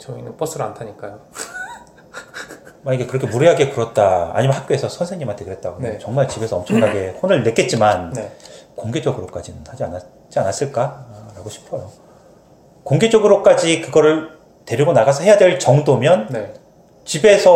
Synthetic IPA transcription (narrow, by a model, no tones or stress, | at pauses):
t͡ɕʌinɯnpʌs͈ʰɯɾantʰaɲik͈ajo | maiɡe̞kɯɾʌkʰe̞muɾeɦaɡe̞kɯɾʌt̚t͈a̰ːɲimanɦak͈joe̞sʰʌsʰʌnsʰeŋɲːimantʰekɯɾet̚t͈aɡonet͡ɕʌŋmaɭt͡ɕibe̞sʰʌʌmt͡ɕʰʌŋkʰaɡe̞honɯɭne̞k͈e̞t̚t͡ɕ͈imannekoŋɡe̞d͡ʑʌɡɯɾok͈ad͡ʑinɯnhad͡ʑia̰na | t͡ɕ͈ianas͈ɯɭk͈aɾaɡoɕʰi̥pʰʌjo | koŋɡe̞d͡ʑʌɡɯɾok͈ad͡ʑikɯɡʌɾɯɭ | te̞ɾiɡonaɡasʰʌhe̞jadweɭt͡ɕʌŋdomjʌnne | t͡ɕibe̞sʰʌ